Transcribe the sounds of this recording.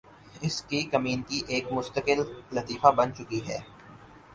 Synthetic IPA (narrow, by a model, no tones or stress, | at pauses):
ɪskikɐmiːnkiʔeːkmʊst̪əkɪlːɐt̪iːfabɐnt͡ʃʊkiɦɛː